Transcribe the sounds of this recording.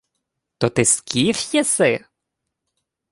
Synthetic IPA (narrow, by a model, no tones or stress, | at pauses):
t̪ɔt̪ɪskʲʰifjɛsɪ